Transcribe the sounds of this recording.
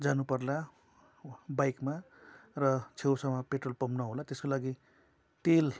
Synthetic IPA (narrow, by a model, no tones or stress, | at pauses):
d͡zanupʌrla | bajkma | rʌt͡sʰewsamapeʈrolpʌmnʌɦolat̪eskolaɡi | t̪el